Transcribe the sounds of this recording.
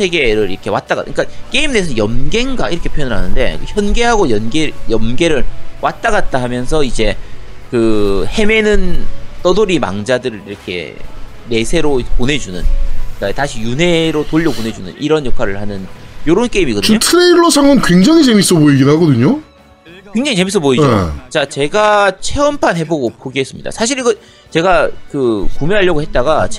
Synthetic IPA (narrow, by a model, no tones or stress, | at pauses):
sʰe̞ɡe̞ɾɯɾḭɾʌkʰe̞wat̚t͈aɡa̰kɯk͈ak͈e̞imnesʰʌjʌmɡe̞ŋɡa̰iɾʌkʰe̞pʰjojʌnɯɭɦa̰nɯnde̞̰kɯçjʌnɡe̞ɦaɡojʌnɡejʌmɡe̞ɾɯɭwʔat̚t͈aɡat̚t͈aɦamjʌnsʰʌid͡ʑe̞kɯhe̞me̞nɯnt͈ʌdoɾima̰ŋd͡ʑadɯɾɯɾiɾʌkʰe̞̰ | me̞sʰe̞ɾoponɦe̞d͡ʑunɯ̰nkataɕʰijune̞ɾotoʎːʌpone̞d͡ʑunɯ̰nʔiɾʌnjʌkʰwaɾɯɭhanɯnjoɾonk͈eimiɡʌdɯɯɲotʰɯɾeiɭːʌsʰaŋɯnkwe̞ŋd͡ʑaŋit͡ɕe̞mis͈ʌpoiɡinhaɡʌdɯɲo | kwe̞ŋd͡ʑaŋit͡ɕe̞mis̬͈ʌpoid͡ʑot͡ɕat͡ɕe̞ɡat͡ɕʰeʌmpʰanɦe̞boɡopoɡiɦe̞s͈ɯmɲida̰sʰaɕ̬ʰiɾiɡʌ | t͡ɕe̞ɡakɯkumeɦaʎːʌɡohe̞t̚t͈aɡa